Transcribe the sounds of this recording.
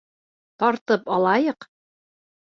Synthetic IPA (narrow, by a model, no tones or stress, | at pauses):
t̪ɒɾt̪ɤpɒlˠɑjɤq